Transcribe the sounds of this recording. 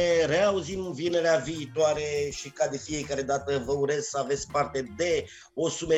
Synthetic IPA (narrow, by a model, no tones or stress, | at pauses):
ɾe̞auzimɨnvine̞ɾeaviːt̪oaɾe̞ʃikad̪e̞fije̞kaɾe̞d̪at̪əvəuɾe̞zsəave̞t̪sʲpart̪e̞d̪e̞ | o̞sume